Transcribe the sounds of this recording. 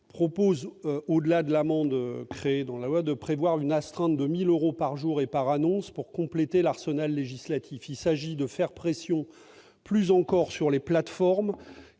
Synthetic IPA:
pχɔpozøod̪əlad̪əlamɑ̃d̪økχeːd̪ɑ̃lalwad̪əpχevwaʁynast̪χɛ̃t̪̚d̪əmiløʁopaʁʒuʁepaʁanɔ̃spuʁkɔ̃plet̪elaʁsənalːeʒislat̪ʰifilsaʒid̪əfɛʁpχesjɔ̃ | plyzɑ̃kɔʁsyʁleplat̪fɔʁm

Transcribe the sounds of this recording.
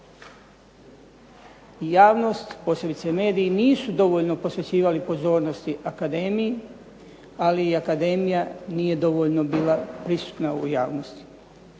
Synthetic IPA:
jaːʋno̞st̪po̞ːse̞bit̪seme̞ːd̪ijiniːsud̪o̞ʋo̞ʎno̞po̞sʋe̞t͡ɕiːʋalipo̞zo̞ːɾno̞st̪iʔakad̪e̞ːmiji | aliːakad̪e̞ːmijanije̞d̪o̞ʋo̞ʎno̞biːlapɾisu̥t̪naṵjaːʋno̞st̪i̥

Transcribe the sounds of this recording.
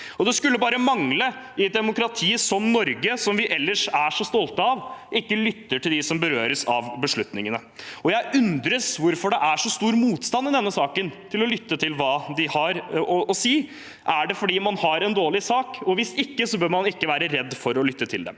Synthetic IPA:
ɔd̪ɛskʉlːəbɑːɾəmɑŋlə | ɪt̪̚d̪ɛmʊkɾɑt̪ʰiːəsɔmnɔɾɡəsɔmʋɪʔɛlːəʂæʂɔst̪ɔlt̪əɑʋʔɪkːəlʏt̪ːəʈʰɪld̪ɪsɔmbəɾøːɾəsɑʋbəʂɭʉt̪nɪŋənə | ɔjæɪʔʉnd̪ɾəsʋʊɾfɔɖɛʔæʂɔst̪uːɾmuːt̪st̪ɑnːɪd̪ɛnːəsɑːkənt̪ʰɪlɔlʏt̪ːət̪ʰɪlʋɑːd̪ɪhɑɾɔɔsiː | ʔæɖɛfɔɖiːmɑnhɑɾɛnd̪oːlɪsɑːkɔʋɪsɪkːəsɔbøːɾmɑnɪkːəʋæːɾəɾɛd̪ːfɔɾɔlʏt̪ːət̪ʰɪld̪ɛ̰

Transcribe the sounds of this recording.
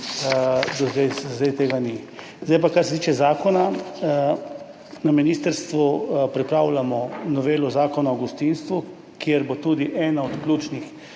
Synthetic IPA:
d̪ɔzd̪ɛjzd̪ɛjt̪eːɡani | zd̪ajpakaɾsɛt̪iːt͡ʃɛzaːkɔna | naminiːst̪əɾst̪ʋupɾipɾaːwlamɔnɔʋeːlɔzaːkɔnaɔɡust̪inst̪ʋu | kjeɾbot̪uːd̪iʔɛːnaɔt̪klʲut͡ʃnix

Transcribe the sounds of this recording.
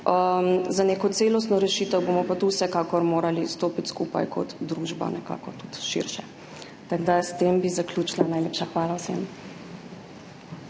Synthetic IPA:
əmzaneːkɔt̪seːlɔst̪nɔɾɛʃiːt̪əwbomɔpat̪uwsɛkaːkɔɾmoːɾalist̪oːpit̪skupa̰jkʰɔ̰t̪d̪ɾuʒba̰nɛka̰ːkɔt̪ut̪ʃḭɾʃɛ | t̪aɡd̪ast̪embizaklʲjut͡ʃilanajleːpʃaxʋaːlawsɛ̰m

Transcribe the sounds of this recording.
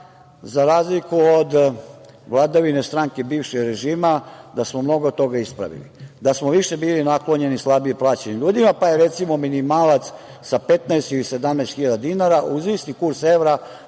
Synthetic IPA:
zaɾaːzlikuod̪ | ʋlˠad̪aʋine̞st̪ɾaŋkebiːʋʃeɡɾeʒiːmad̪asmomno̞ɡod̪t̪o̞ɡaispɾa̰ʋḭlid̪asmoʋiʃe̞biːlinaklo̞ɲe̞nislˠabieplˠaːt͡ɕenimʎuːd̪imapajeɾet̪simo̞minimaːlat̪s | sapet̪naest̪ilise̞d̪amnɛst̪xiʎad̪ad̪inaɾaʔuzʋisnikuɾseʋɾa

